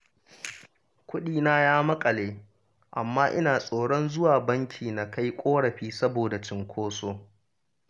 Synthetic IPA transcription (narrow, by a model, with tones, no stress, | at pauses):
kʷʊ˦ɗiː˦na˦jaː˦mɐ˦kʼɐ˨leː˦ | ʔa˨mːaː˦ʔɪ̰˦naː˨sʼoː˨ɽɔ˦nzʊ˦waː˨bɐ˦ŋkʲʰiː˨na˨ka˦jkʷʼoː˦ɽɐ˨ɸiː˦sɐ˦boː˨da˨t͡ʃɪ˦ŋkʷʰoː˦soː˦